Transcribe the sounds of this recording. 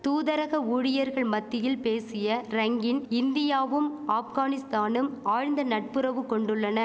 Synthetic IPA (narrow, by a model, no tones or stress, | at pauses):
t̪uːðɐɾɐɣɐuːɽɪjɐɾɣɐɭmɐt̪ːɪjɪlpeːsɪjɐɾɐŋɡɪnɪnd̪ɪjaːʋɯmaːfɣaːnɪst̪aːnɯmaːɻnd̪ɐnɐʈ̚pɯɾɐʋɯkɔɳɖɯɭːɐnɐ